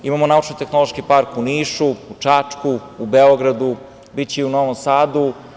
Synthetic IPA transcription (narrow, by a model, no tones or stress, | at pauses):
imamonaut͡ʃnot̪exnolˠoʃkipaɾkuniːʃuut͡ʂat͡ʂkuubeoɡɾad̪u | bit͡ɕeiunoʋomsaːd̪u